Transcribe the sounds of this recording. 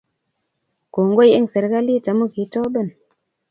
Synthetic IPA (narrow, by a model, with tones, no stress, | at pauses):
ko˨ŋɡo˦je˦ŋse˨ɾka˦li˦ta˨˦mu˦ki˨˦tɔ˦be˦˨n